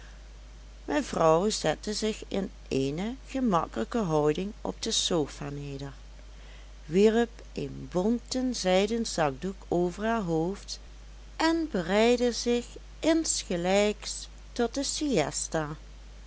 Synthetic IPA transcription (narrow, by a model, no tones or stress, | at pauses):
mɛnvrɔwzɛtəzɪxɪn | enəɣəmɑ̰kələkəɦɔwdɪŋɔ̰b̚dəsoːfaːneːdəɹ | ʋiɹəp | ʔenbɔmtənzɛjdənzɑɡ̚dukoːvəɹɦaːɹɦoːft | ʔɛnbərɛjdəzɪx | ɪnsxəlɛjks | tɔt̚dəsiɛsta